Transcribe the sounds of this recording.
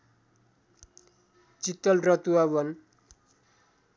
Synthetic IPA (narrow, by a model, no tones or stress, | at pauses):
t͡sit̪ːʌlrʌt̪uabʌn